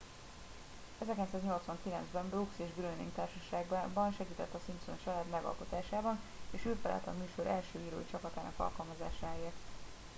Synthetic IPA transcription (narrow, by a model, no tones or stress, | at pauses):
ɛzɛrkɛnt̪saːzɲo̞lt̪sʋɒŋkilɛnzbɛmbrukseːʒɡlønḭŋɡt̪aːrʃɒʃaːɡbbɒnʃɛɡiːt̪ɛt̪ːɒsimpsont͡ʃɒlaːd̪mɛɡɒ̰lko̞t̪aːʃaːbɒneːʃøːfɛla̰lt̪ɛɒ̰myːʃo̞ɾʔɛlʃøːiːɾo̰ːit͡ʃɒkɒt̪aːnɒ̰kɒ̰lkɒlmɒzaːʃaːeːrt̪